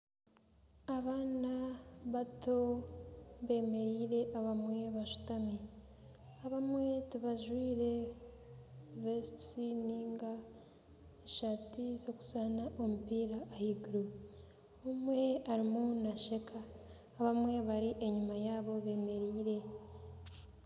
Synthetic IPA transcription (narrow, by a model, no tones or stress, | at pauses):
aβaːnaβato̞ | βe̞ːme̞ɾiːɾe̞ʔaβamwe̞βaʃu̥tami | aβamwe̞tiβaʒwiːɾe̞ | vessiniːŋɡa | eʃatizo̞ku̥sanaʔo̞mupiːɾaʔːhiɡuɾu | omwe̞aɾimunaʃe̞kʰaː | βamwe̞βaɾiʔeɲumajaːβo̞βe̞ːme̞ɾiːɾe̞